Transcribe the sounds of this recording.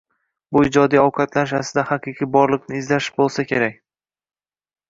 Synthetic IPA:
bʊɪd͡ʒɒd̪ijɒwqʰɑt̪lanɪʃasɪd̪ahaqʰɨqʰibɒɾlˠɨqnɪːzlaʃɪ̥bolˠsakʲʰe̞ɾak̚ʲ

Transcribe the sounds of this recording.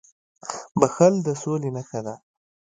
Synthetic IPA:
baxəld̪əsolenaxad̪a

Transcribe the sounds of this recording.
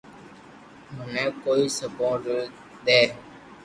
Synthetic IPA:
ɦʊnɛ̃ːkoːiːsəpoːɾʈ | d̪ɛː

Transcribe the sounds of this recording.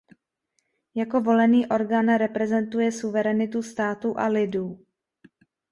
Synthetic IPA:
jako̞vo̞lɛniːʔo̞ɾɡaːnɾɛpɾɛzɛnt̪ujɛsuvɛɾɛnɪt̪ust̪aːt̪uʔa̰lɪduː

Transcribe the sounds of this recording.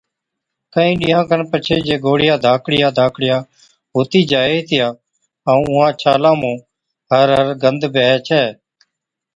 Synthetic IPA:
kəĩːɗɪjãːkəɳpət͡ʃʰeːd͡ʒeːɡoːɽɪjaːd̪ʱaːkɽɪjaːd̪ʱaːkɽɪjaː | ɦoːt̪iːd͡ʒaːeːt̪ɪjaː | aũːʊɦãːt͡ʃʰaːlãːmũː | ɦəɾɦəɾɡənd̪bʱɛːt͡ʃʰɛː

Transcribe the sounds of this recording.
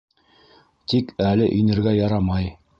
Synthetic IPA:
t̪ikælɘʔɵ̆jnɘ̆ɾɡæjɑɾɑmɑj

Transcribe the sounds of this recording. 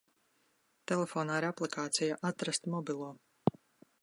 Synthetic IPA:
t̪ɛlʲˠefoːnaːiɾaplˠikʰaːt̪sijaʔat̪ɾast̪mɔbʲilˠuɔ

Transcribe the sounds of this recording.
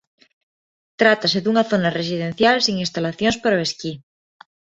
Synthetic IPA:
t̪ɾat̪aseðuŋaθonares̬iðẽn̟θjalsiŋĩnst̪alaθjonspaɾaeski

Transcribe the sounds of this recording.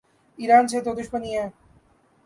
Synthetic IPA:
iɾant͡ɕʰet̪od̪uʃbanije

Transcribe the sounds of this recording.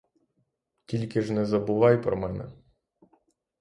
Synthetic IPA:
tʲilʲkɪʒnɛzɐbʊʋɑjpɾɔmɛnɛ̰

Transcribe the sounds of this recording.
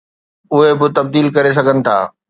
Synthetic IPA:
ʊɦebɪt̪ɐb̚d̪iːlkɐɾes̬ɐɡʱənɪ̆t̪ʰa̰ː

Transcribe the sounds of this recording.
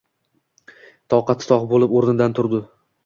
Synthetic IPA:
t̪ʰɒwqɑt̪sɒqbolɪpoɾnɪd̪ant̪ʰʊɾd̪ɪ

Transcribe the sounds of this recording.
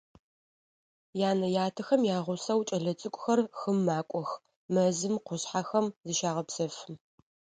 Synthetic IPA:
jaːnɐjaːtʰɨxɐmjaːʁʷʊsɐwt͡ʃʼɐɮɐt͡sʼɨkʷʼʊxɐrxɨmːaːkʷʼɔx | mɐzɨmqʷʊɕħaxɐmzɨʃaːʁɐpsɐf

